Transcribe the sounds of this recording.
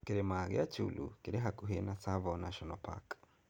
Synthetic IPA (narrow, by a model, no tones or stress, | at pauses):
keɾɛmaɣɛat͡ʃṵlṵkeɾɛɦakuɦenasavɔnaʃɔnɔpʰa̰k